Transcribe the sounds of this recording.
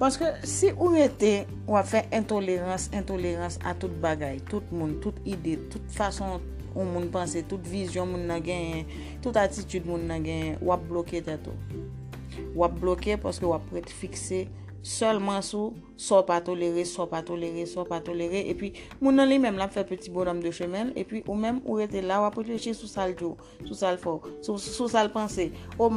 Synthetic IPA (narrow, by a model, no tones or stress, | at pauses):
paskøsiʔuʁet̪e | wapfɛʔɛ̃t̪oleʁɑ̃sɛ̃toleʁɑ̃sa̰tut̚baɡajt̪ut̚mũntutidetut̪fasɔ̃ | ũmũnpãsetutvizjɔ̃mũnːɐ̃ɡɛ̃jɛ̃ | tutatitydmũnːɐ̃ɡɛ̃jɛ̃wʔap̚bloket̪ɛto̰ | wap̚blokepaskøwapːɛt̪fikse | sœlmãsu | sɔpat̪oleɣesɔpat̪oleɣesɔpat̪oleɣeʔepɥi | mũnːɐ̃limɛ̃mlapfɛpətibɔnɔmd̪øʃømɛ̃lḛpɥiʔumɛ̃muɣet̪elauwapɣefleʃisusald͡ʒo | susalfɛsususalpɐ̃seo